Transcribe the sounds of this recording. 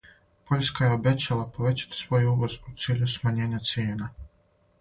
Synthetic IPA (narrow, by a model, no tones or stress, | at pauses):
po̞ʎʲskajeobet͡ɕalˠapo̞ʋe̞t͡ɕḁt̪i̥sʋo̞juuʋozpot̪siːʎusmaɲe̞ːɲat̪sjeːna